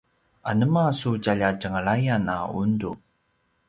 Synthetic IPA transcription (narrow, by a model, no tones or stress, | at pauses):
ʔa̰nəmasucaʎacəŋəɭajanaṵndu